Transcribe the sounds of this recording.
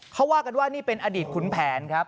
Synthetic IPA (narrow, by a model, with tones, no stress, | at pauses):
kʰa˦˥waː˥˩ka˧nwaː˥˩niː˥˩pe˧nʔaː˧diː˨˩t̪̚kʰu˩˦npʰɛː˩˦nkʰɾa˦˥p̚